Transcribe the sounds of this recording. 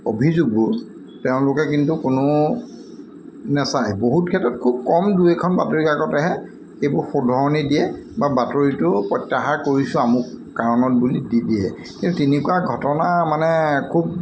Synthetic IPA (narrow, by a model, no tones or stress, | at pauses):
o̰bʱizuɡʊ | teʊ̃lʊkɛk̬intukʊnʊ | nɛsajboɦut̚kʰɛtɹɔt̚kʰub̚kɔmduɛkʰɔnbatoɹikakɔtaɦɛ | ejbʊɹxʊdʱɔɹɔnidiɛbabatoɹitʊpɹɔtːaxakoɹisʊ̃amʊkaɹɔnɔt̚bulididiɛ | kĩntutinikuaɡʱɔtɔnamanɛkʰub